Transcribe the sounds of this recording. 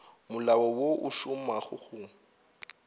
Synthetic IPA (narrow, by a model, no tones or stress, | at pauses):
mʊlawɔwoʔʊʃʊmaχʊχʊ